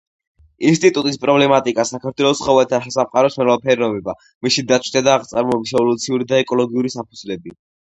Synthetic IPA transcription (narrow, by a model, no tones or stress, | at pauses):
ins̬t̪ʼit̪ʼut̪ʼispʼɾɔblɛmat̪ʼikʼasakʰaɾt̪ʰwɛlˠɔsχɔvɛt̪ʰaʃasamqʼaɾɔsmɛlapʰɛɾinɔbɛba | misid̪at̪t͡ʃʰwi̥t̪ʰad̪aːʁt̪sʼaɾmɔbisʃɛvɔlut̪sʰiuɾid̪aɛkʼɔlɔɡiuɾisapʰuzlɛbi